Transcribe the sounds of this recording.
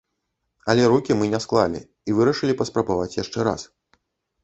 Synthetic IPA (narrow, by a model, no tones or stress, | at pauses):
ɐlʲɛɾukʲimɨnʲɛsklˠalʲḭ | ivɨɾɐʂɨlʲipɐspɾɐbavat͡sʲjaʂt͡ʂɛɾa̰s